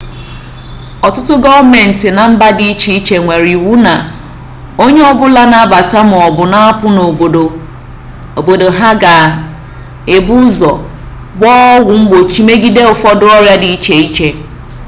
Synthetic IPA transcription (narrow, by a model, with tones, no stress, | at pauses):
ɔ˨tʊ˦tʊ˦ɡɔ˦me˨n̩˨tɪ˨na˨m̩˦ba˦di˦i˦t͡ʃi˦i˦t͡ʃe˨ŋʷe˨ɾi˨wu˦na˨ | o˦ɲe˦ɔ˦bʊ˦la˦na˦ba˨ta˦m̩˨ɔ˨bʊ˨na˦a˦pʊ˦no˨bo˨do˨ | o˨bo˨do˨ɦa˦ɡa˨ | e˨bu˦zɔ˨ | ɡ͡bɔ˦wʊ˨m̩˦ɡ͡bo˨t͡ʃi˦me˦ɡi˦de˦ʊ˨fɔ˦dʊ˦ɔ˦ɾja˦di˨i˦t͡ʃe˨i˦t͡ʃe˦